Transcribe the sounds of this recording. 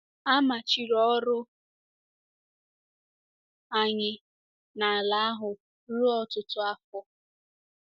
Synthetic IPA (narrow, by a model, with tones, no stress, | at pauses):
a˦ma˨t͡ʃi˨ɾɔ˦ɾʊ˦ | a˨ɲɪ˨ | na˨a˨la˨˦a˦ɦʊ˨ | ɾu˦ɔ˦tʊ˦tʊ˦a˦fɔ˦